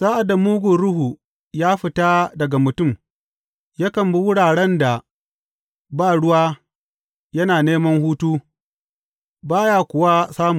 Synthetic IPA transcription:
saː˦ʔa˨da˨muː˦ɡʷu˨ɾʊ˦ɦu˨ | jaː˦ɸɪ˦taː˦dɐ˨ɡa˨mʊ˨tʊ˦˨m | ja˦kɐ˨mbi˦wʊ˦ɽaː˨ɽɛ˦nda˨ | baː˦˨ɽʊ˦waː˦ | jɐ˦naː˨neː˦mɐ˦ŋɦuː˦tuː˦ | baː˦jaː˦kʷʊ˨wa˦saː˦mu˨

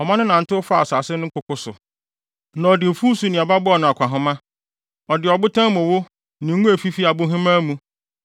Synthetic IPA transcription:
ɔ˨mã˦nʊ̃˦nã˨n̩˨tɪ˦ʊ˦fa˦˨sa˨sɪ˦nʊ̃˦ŋ̩˦kʰʊ˦kʊ˦sʊ̰˨ | nã˨ɔ˨dɪ˨fuː˦su˨˦nɪ̃˨a˨ba˦bʊ˦ɔ˨nʊ̃˨a˨kʷʰã˨ɦʊ̃˦mã˦ | ɔ˨dɪ˨ɔ˨bʊ˦tʰã˦mʊ̃˨wo˦ | nɪ̃˨ŋ˦ũ˦æ˨fi˦fi˦a˨bʊ˦ɦɪ̃˦mã˦mũ˦

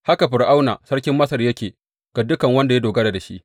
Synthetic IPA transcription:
ha˦ka˨ɸɪ˨rʔa˦wnaː˨sɐ˦rkʲɪ˦mːɐ˦sɐ˨rjɐ˦kʲeː˨ | ɡ̥a˨dʊ˦kɐ˨ŋwɐ˦nda˨ja˦doː˨ɡɐ˦da˨da˨ʃḭ˦ʔ

